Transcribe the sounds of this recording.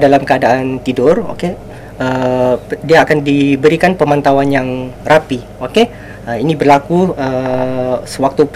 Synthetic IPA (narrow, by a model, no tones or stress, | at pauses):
dalamkəadaant̪idʊro̰ke | ə | diaːkandibəɾikanpəmãnt̪awanjaŋrapi | oke | əinibərlakuə | səwak̚t̪up